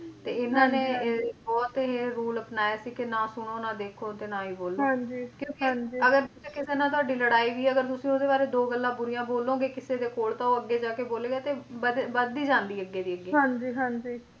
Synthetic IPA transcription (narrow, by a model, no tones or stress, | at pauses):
t̪eːɪnːãːneːbɔːt̪ːɦeːɾuːləpnaːjaːsiːkɪnaːsʊɽ̃oːnãːd̪eːkʰoːt̪eːnãːiːboːlãd͡ʒiːkjõːkẽd͡ʒiəɡəɾekɪseːnãːt̪̬ʊwaːɖiːləɽaːiːʋiːəɡəɾt̪ʊsĩːod̪eːbaːɾeːd̪oːɡəlːãːbʊɾijãːboːlːõːɡeːkɪseːd̪eːkoːɽt̪ãːoːəɡːeːd͡ʒaːkeːboːleːɡaːt̪eːbəbəd̪iːd͡ʒãːnd̪iːəɡːeːd̪iːəɡːeːɦãːd͡ʒiːɦãːɲd͡ʒiː